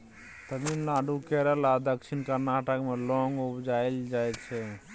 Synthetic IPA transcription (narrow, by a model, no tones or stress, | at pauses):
t̪əminlaɖukɛɾɛlad̪əkt͡ʃʰinkəɾnaʈəkmelɔŋɡubd͡ʒajld͡ʒajt͡ʃʰɛ